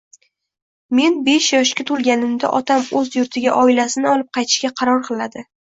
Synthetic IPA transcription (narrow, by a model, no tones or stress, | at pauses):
me̞nbe̞ʃjɒʃkʲat̪ʰʊlˠɡʲanɪmd̪a̰ʔɒt̪ʰamɵzjʊɾt̪ʰɪɡʲaʔɒɪlasɪnɪɒlˠɪp̚qʰɑjt̪ʰɪ̥ʃkʲaqʰɑɾɒɾqʰɨlˠad̪ɪ